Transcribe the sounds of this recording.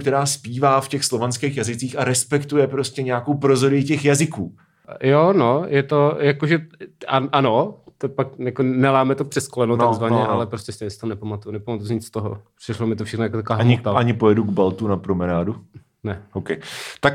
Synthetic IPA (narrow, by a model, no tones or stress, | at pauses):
kt̪ɛɾaːspiːvaːfcɛxslovanskɛːxjazɪt͡siːxaɾɛspɛkt̪ujɛpɾoscʲɛɲɛakowpɾozoɾɪɪcɛxjazɪkuː | jonojɛt̪o̞jakoʒɛaʔanot̪opakjakonɛlaːmɛt̪opr̝̥ɛskolɛnutnaɡzvaɲɛʔalɛpɾostcɛssɛ̥t̪onɛpamat̪ujunɛpamat̪usɲɪt͡sst̪oɦo̰pr̥ɪʃlomɪt̪ofʃɛxnojakot̪akoaːɦɲɪit̪aʔaɲɪpojɛduɡbalt̪unapɾomɛnaːdu | nɛʔowkɛjt̪ak